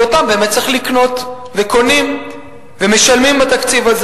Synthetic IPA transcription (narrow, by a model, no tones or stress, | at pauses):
ot̪ambeemet̪̚t͡siχlikno̞t | ve̞ko̞nim | veme̞ʃalmimbat̪akt͡sivaz